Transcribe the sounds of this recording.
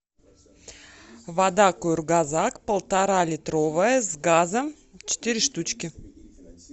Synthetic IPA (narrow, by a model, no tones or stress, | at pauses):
vad̪akurɡazakpəlˠt̪aɾalʲit̪rovəjəzɡazəm | t͡ʃʰɪ̥t̪ʲiɾʲɪʃt̪ut͡ɕkʲi